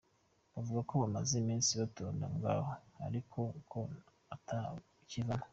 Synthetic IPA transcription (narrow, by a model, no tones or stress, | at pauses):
βavuɡakoβamazimiːnsiβatoːndaŋɡa̰hoa̰ɾikʰo̞kʰo̞ | atʰa | civana